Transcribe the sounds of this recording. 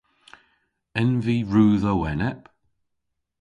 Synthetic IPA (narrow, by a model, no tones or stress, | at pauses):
ɛnviːɹuːðəwɛnɛp